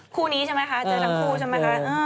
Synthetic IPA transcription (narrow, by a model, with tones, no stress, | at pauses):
kʰuː˧niː˦˥t͡ɕʰa˥˩ma˦˥jkʰa˦˥a˧˩˧a˧mkʰuː˧t͡ɕʰa˥˩ma˦˥kʰa˦˥ʔː